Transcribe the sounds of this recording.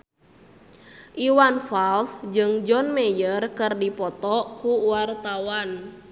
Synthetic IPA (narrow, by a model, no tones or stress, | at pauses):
ʔiwanfalsd͡ʒɨŋd͡ʒɔnmɛjərkɨrdipɔt̪ɔkuwart̪awan